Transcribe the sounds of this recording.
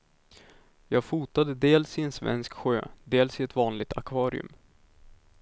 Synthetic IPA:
jɑːɡfuːt̪ad̪əd̪eːlsɪɛnsvɛ̰nskɧø̰ːd̪eːlsɪɛt̪vɑːnlɪɡ̚t̪ʰa̰kʰvɑːɾɪ̰ɵ̰m

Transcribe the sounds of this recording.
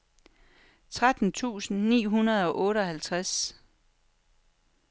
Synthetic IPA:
t͡sʰʁad̥n̩t͡sʰṵːsn̩nḭːɦunɐð̞ˠɒ̽ʔɔ̽ːɾəɒ̽hælt͡sʰʁas

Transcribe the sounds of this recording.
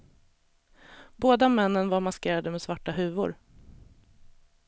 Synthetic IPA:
boːd̪amɛnːənvaɾmaskeːɾad̪əmɛsvaʈːaɦʉ̟ːvʊ̰ɾ

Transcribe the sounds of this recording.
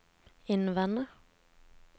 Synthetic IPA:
ɪnʋɛnə

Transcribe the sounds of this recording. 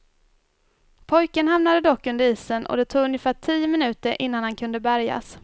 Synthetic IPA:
pʰɔjkənhamnad̪əd̪ɔkːɵnd̪əɾiːsənʔɔ̰d̪ɛt̪ʰuːɡɵnjəfæːʈʰiːjəmɪnʉ̟ːt̪əɾʔɪnːanhankʰɵnd̪əbæɾja̰s

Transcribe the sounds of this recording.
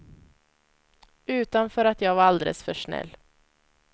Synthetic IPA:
ʉ̟ːt̪anfœːɾat̪jɑːɡvaɾald̪ḛlə̰sfœʂɳɛ̰lː

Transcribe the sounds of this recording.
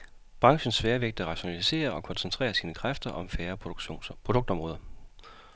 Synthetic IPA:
b̥ʁɑ̈ŋɕn̩sfæːɐʋeɡ̥̚d̥̩ʁɑ̈ɕo̝nælise̝̰ːɐɒ̽kʰɒ̽nsent͡sʰʁɛ̰ːɐsiːnəkʰʁafd̥ɐʔɒ̽mfæːɐ̰pʰʁodɔ̽ɡ̥̚d̥ɒ̽mʁɔ̽ːðˠɐ

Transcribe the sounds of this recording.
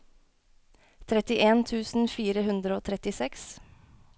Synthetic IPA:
t̪ʰɾɛt̪ɪʔeːnt̪ʰʉːsn̩fiːɾəhʉnd̪ɾəoːt̪ʰɾɛt̪ɪsɛks

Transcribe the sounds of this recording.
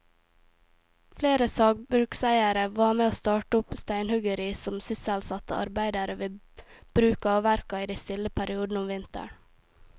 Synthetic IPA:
fleːɾəsɑːɡ̚bɾʉksæɪəɾəʋɑːɾmeːoːst̪ɑːʈəʊpst̪æɪnhʉɡəɾisɔmsʏsælsɑt̪əʔɑ̰ɾbæɪd̪ɑɾəʋɪ | b̥ɾʉːkɑːʋæɾkɑiːd̪æɪst̪ɪlːəpʰæɾɪuːd̪n̩ʊmʋɪnt̪ə̰ɳ

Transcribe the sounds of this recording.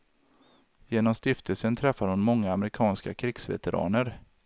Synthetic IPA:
jeːnɔmst̪ɪft̪ʰəlsənt̪ʰɾɛfːad̪hʊnmɔŋːaːmɾɪkʰɑːnskakʰɾɪːksvɛ̰t̪əɾɑ̰ːnəɾ

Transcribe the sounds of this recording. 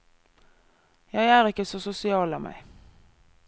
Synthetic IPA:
jæɪæːʁɪkəsosʊsɪɑːlɑːmʔæ̰ɪ

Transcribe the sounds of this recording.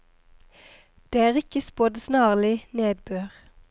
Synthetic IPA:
d̪̥eːæːʁɪkəspoːd̪snɑːʁlɪneːd̪bøːʁ

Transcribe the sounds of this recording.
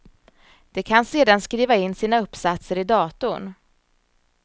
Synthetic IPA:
d̪̥ɛkʰanseːd̪anskɾiːvaɪnːsiːnaɵpːsat̪səɾɪd̪ɑːt̪ʊɳ

